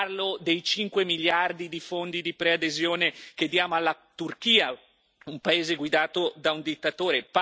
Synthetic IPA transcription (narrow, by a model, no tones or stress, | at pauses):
rlod̪ejt͡ʃiŋkwemiljard̪id̪ifond̪id̪ipɾead̪ezjoːneked̪ːjaːmoalːa | t̪urkiːa | umpaeːzeɡwid̪aːt̪od̪aund̪it̪ːat̪oːɾep